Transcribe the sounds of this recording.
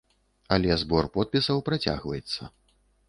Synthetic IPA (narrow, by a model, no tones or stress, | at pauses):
ɐlʲɛzbɔrpɔt̪̚pʲisɐwpɾat͡sʲa̰ɣvɐjɛt̪sːɐ